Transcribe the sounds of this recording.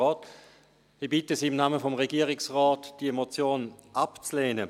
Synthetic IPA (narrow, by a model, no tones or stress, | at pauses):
ɔːt | hibɪtəsiːɪmnaːməfɔmʁeɡiːəʁɪksʁɔːtd̥iemot͡sjoːnʔapt͡sleːnə